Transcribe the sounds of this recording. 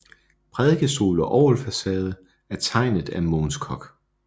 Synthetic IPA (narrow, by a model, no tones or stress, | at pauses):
pʰʁɛðˠɡ̥əso̝̰ːlɒʔɒʊlfæsɛːð̞ˠə | æɐt͡sʰɑ̈ɪ̰nð̩ˠæmoːnskʰɒɡ̥